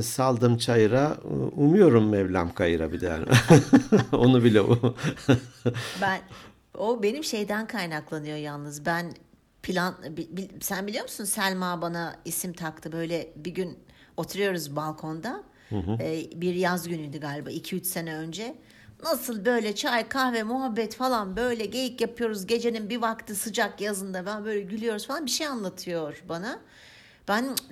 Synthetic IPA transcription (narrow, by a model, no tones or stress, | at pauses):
salˠd̪ɯmt͡ʃʰajɯɾaumujo̞ɾumːɛvlʲamkʰajɯɾa̰bid̪ɛja̰ːn | o̞nubilʲɛu | bæn | obe̞nimʃe̞jd̪ænkʰajnaklˠanɯjo̞jalˠnɯzbæn | pʰilʲanbibisænbilʲijo̞musunsælʲmabanaisimt̪ʰakt̪ʰɯbø̞jlʲɛbiɟyn | o̞t̪ʰuɾɯjo̞ɾuzbalˠkʰo̞nd̪a | biɾjazɟynyjd̪iɡaːlʲba̰ːicʰiyt͡ʃse̞nɛø̞nd͡ʒɛ | nasɯlˠbø̞jlʲɛt͡ʃʰajkʰahvɛmuɦabːɛt̪falˠanbø̞jlʲɛɟe̞jicjapʰɯjo̞ɾuzɟe̞d͡ʒe̞ninbivakt̪ʰɯsɯd͡ʒakjazɯnd̪ababø̞jlʲɛɟylʲyjo̞ɾuzfalˠanbiʃejanlˠat̪ʰɯjo̞ɾ̥bana | b̥æn